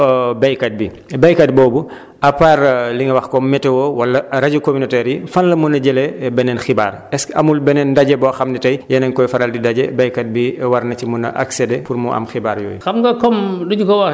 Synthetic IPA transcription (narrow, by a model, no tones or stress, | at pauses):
bɛjkat̚bi | bɛjkɐt̚bɔːbu | ɐpaːrliŋɡɐwɐxkɔmmɛtɛwɔwɐlːɐɾaɟokominɔtɛɾjifɐnlɐmunɐɟɛlɛbɛnɛnxiba̰ːɾ | ɛskɐmulbɛnɛndɐɟɛbɔːxɐmnɛtɐjjɛnɐŋkɔjfɐɾaldidaɟɛbɛjkɐt̚biwɐɾnɐt͡ʃimunɐ̰ʔa̰ksɛdɛpurmuʔɐ̰mxibaːɾjɔ̰ːjxɐmɡɐkɔmduɟukɔwɐ